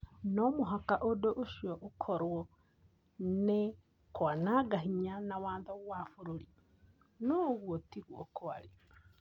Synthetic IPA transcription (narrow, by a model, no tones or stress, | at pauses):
nɔmoɦakaʔodoʔoʃiɔʔokʰɔɾwɔ | ne | kwanaːɡaɦiɲanawaːnðɔɣwafoɾoɾi | nɔɣwɔtiɣwɔkoaɾi